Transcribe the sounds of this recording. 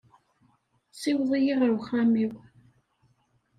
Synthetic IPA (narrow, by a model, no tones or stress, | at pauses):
sˤiwðˤijiʁəɾwχamiw